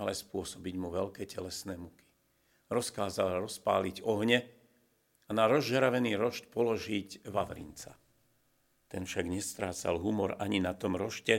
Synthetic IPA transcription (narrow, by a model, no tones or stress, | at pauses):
alɛspʊɔsɔbiɟmuʋɛlkɛːcɛlɛsnɛːmuki̥ | ɾɔskaːzalɾɔspa̰ːliɟɔɦɲɛ | anaɾɔzʒɛɾaʋɛniːɾɔʃcpɔlɔʒiɟʋaʋɾḭnt͡sa̰ | t̪ɛnfʃaɡɲɛst̪ɾaːt͡sa̰lɦumɔɾaɲinat̪ɔmɾɔʃcɛ